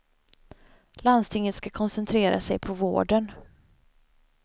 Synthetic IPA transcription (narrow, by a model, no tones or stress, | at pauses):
land̪st̪ʰɪŋːət̪skakʰɔnsɛnt̪ʰɾeːɾʔa̰sɛjpʰɔvo̰ːɖən